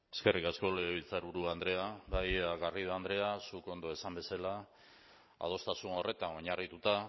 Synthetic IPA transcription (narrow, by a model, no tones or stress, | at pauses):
e̞skerikasko̞leɣeβilt͡saɾuɾuand̪ɾe̞aβajaɣarið̞oand̪ɾe̞asuko̞nd̪o̞e̞sambe̞sala | a̰ð̞o̞st̪asuno̞rʔe̞t̪ano̞ɲarit̪ut̪a